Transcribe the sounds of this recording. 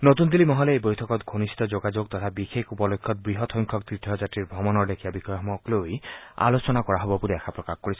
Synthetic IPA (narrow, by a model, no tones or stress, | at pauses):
not̪und̪ilimɔɦɔleebojtʰɔkɔt̪ɡʱonisi̥t̪ɔd͡ʒoɡad͡ʒoɡ̚t̪ɔt̪ʰabixekʰupɔlojkʰːɔt̪̚bɾiɦɔt̪ʰɔjŋkʰɔk̚t̪ɾit̪ʰjɔd͡ʒatɾiɾbʱɔmɔnɔɾd̪ekʰijabikʰɔjɦmɔkloja̰lot͡ʃɔnakɔɾaɦɔbɔpuɾiakʰapɾɔkaxɔkɔɾisʰɔ